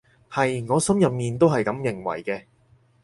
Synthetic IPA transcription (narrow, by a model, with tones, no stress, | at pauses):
hɐ˨jŋɔː˨˧sɐ˥mjɐ˨p̚miː˨nt̪o˥wɦɐ˨jkɐ˨˥mjɪ˨˩ŋwɐ̰˨˩jkɛː˧